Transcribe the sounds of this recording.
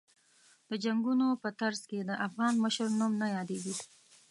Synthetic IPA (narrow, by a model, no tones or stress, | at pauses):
d̪̥əd͡ʒaŋɡunopət̪aɾzked̪əʔafɣɑnməʃəɾnumnajɑd̪eɡi